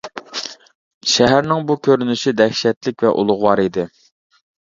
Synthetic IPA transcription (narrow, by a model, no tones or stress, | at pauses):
ʃæɦæɾnɪŋbukʲʰøɾynyʃid̪ɛxʃɛt̪lɪkʲvɛ̰ʔṵlˠʊʁwɑɾid̪ɪ